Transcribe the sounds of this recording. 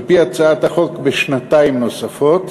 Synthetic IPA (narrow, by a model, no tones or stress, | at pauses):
piat͡saat̪aχo̞kbeʃnat̪aimno̞safo̞t̪